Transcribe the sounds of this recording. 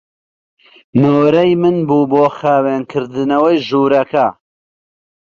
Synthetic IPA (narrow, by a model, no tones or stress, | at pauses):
nowɾɐjmɨnbuːboːxaːweːnkʰɨɾd̪ɨnɐwɐjʒuːɾɐkɐ